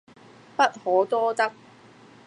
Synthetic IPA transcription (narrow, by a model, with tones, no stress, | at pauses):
pɐ˥t̚hɔː˨˥t̪ɔː˥t̪ɐ˥k̚